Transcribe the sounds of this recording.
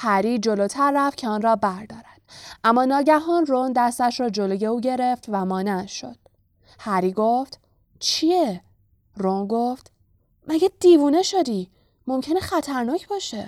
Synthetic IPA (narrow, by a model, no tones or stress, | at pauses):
hæɾiːd͡ʒo̞lot̪ʰæɾːæft̪̚cʰeɒnrɒːbæɾd̪ɒːɾænd̪̥ʔæmːɒːnɒːɟæɦɒnrond̪æst̪æʃɾɒːd͡ʒo̞loːje̞uːɟe̞ɾe̞ft̪væmɒːneʃo̞̰d̪̥̚ | hæɾiːɡoft̪ | t͡ʃʰije | ronɡoft̪ | mæɟæd̪̥iːvuːne̞ʃo̞d̪iː | mo̞mcʰeneχæt̪ʰæɾnɒːcʰbɒːʃe̞